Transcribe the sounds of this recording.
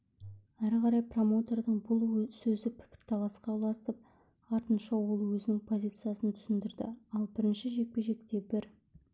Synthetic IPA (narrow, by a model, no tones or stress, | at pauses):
æɾqɑɾɑjpro̞mo̞t̪e̞rd̪əɴbʊlˠsɵzɪpʰɪ̥kʲɪ̥ɾt̪ʰɑlˠɑsqʰɑwlˠɑsəp̚ | ɑɾt̪ənʃɑwo̞lˠwɵzɪnɪŋpʰo̞zʲijt̪sɨjasənt̪ʰʏ̥sɪnd̪ɪɾd̪ɪ̰ɑlˠbɪɾɪnʃɪʒe̞k̚pe̞ʒe̞k̚t̪e̞bɪɾ